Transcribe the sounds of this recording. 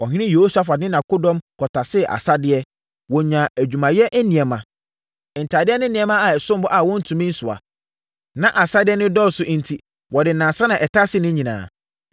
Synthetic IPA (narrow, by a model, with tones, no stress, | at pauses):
ɔ˨ɦɪ̃˦ɪ̃˦jo˨˦sa˦fa˨nɪ̃˦nã˨kʊ˦dɔ̃˦mkʰɔ˨tʰa˨sɪ˦˨ʔa̰˨sa˦dɪ˦ɛ˦ | wɔ̃˨ɲã˨æ˨d͡ʑᶣu˨mã˨jɛ˦ʔæ˦nĩ˨ɛ˨mã˨ | n̩˨tʰa˨dɪ˦ɛ˦nɪ̃˦nĩ˨ɛ˦mã˦a˨ɛ˨sʊ̃˦mbɔ˦ʔa˨wɔ̃˦n̩˦tʰũ˨mĩ˦n̩˦sʊ˨a̰˨ | nã˦ʔa˨sa˦dɪ˦ɛ˦nʊ̃˦dɔ˦˨sʊ˨ʔn̩˨tʰi˦ | wɔ˨dɪ˨nã˨sã˦nã˨ʔɛ˨tʰa˦sɪ˦nʊ̃˦ɲĩ˨nã̰ː˨